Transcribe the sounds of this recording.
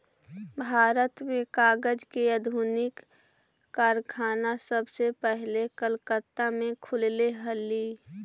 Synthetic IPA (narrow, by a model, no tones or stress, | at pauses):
bʱaːɾət̪mẽkaːɡəd͡ʒkeəd̪ʱuːnɪkː | aːɾkʰaːnasəbsepɛɦlekəlkət̪ːamẽkʰʊlleɦəli